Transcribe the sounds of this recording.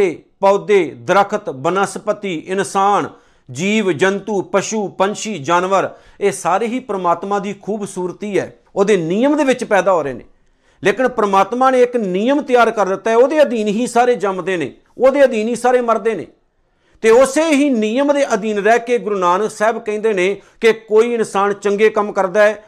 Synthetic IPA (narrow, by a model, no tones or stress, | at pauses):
eːpɔːd̪eːd̪ɾəkʰət̪bənaːspət̪iːʔɪnsaːn | d͡ʒiːʋd͡ʒənt̪uːpəʃuːpənʃiːd͡ʒaːnʋəɾ | eːsaːɾeːɦiːpɾəmaːt̪mãːd̪iːkʰuːbsuːɾt̪iːɛ̰ː | oːd̪eːniːəmd̪eːʋɪt͡ʃpɛːd̪aːɦoːɾḛːnḛ̃ː | leːkɪnpɾəmaːt̪maːneːɪkniːjəmt̪ɪjaːɾkəɾd̪ɪt̪ːaːɛːoːd̪eːəd̪iːnɦiːsaːɾeːd͡ʒəmd̪eːnḛː | oːd̪eːəd̪iːnɦiːsaːɾeːməɾd̪eːnḛː | t̪eːʊseːɦiːnijəmd̪eːʔəd̪iːnɾɛːkeːɡʊɾnaːnəksɛːbkɛ̃ːnd̪eːneːkekoːiːɪnsaːnt͡ʃəŋɡeːkəmkəɾd̪aːɛː